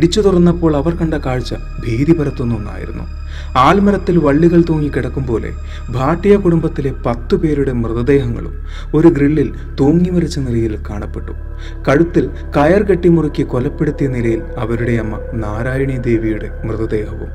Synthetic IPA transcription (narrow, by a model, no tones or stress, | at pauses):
iɽit͡ɕːut̪urɐnːɐpːo̞ːɭɐʋɐrkɐɳɖɐkaːɻt͡ɕːɐ | bʱiːd̪ibʱɐɾɐt̪ːunːuonːa̰ːjḭɾṵnːṵ | aːlmɐɾɐt̪ːilʋɐɭːiɣɐɭt̪o̞ːŋːikʲːiɽɐkːumbo̞ːlḛ | bʱaːʈːijɐkuɽumbɐt̪ːile̞pɐt̪ːupe̞ːɾuɽe̞mrɨðɐd̪e̞ːɦɐŋːɐ̰ɭṵm | o̞ɾuɡriɭːil | t̪oːŋːimɐrit͡ɕːɐnilɐjilkaːɳɐpːe̞ʈːu̥ | kɐɻut̪ːil | kɐjɐrkeʈːimurukʲːikolɐpːe̞ɽut̪ːijɐnilɐjilɐʋɐɾuɽe̞ɐmːɐ̰naːɾaːjɐɳid̪e̞ːʋijuɽe̞̰mrɨðɐd̪e̞ːɦɐʋṵm